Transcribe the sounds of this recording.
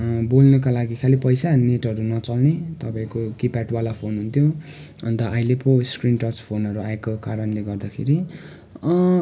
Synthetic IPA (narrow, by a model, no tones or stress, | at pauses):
bolnʌkalaɡikʰalipʌjsaneʈʌɾunʌt͡sʌlnet̪ʌpãĩkokipaʈwalapʰonɦunt̪ʰjo | ʌnt̪ʌʔːileposkrinʈʌspʰonɦʌɾuaekokaɾʌnleɡʌrd̪akʰḛɾi